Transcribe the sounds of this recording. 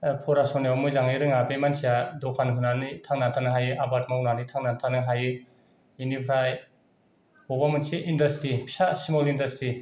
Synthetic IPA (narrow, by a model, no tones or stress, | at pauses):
pʰɔɾasɔniawmɯzaŋiɾɯŋabemansijadɔkʰanɦɯnanitʰaŋnatʰanɯɦajɯʔabatmawnanitʰaŋnatʰanɯɦajɯ | inipʰɾaj | bɔbamɯnsiʔindastɾipʰi̥sasimɔlindastɾi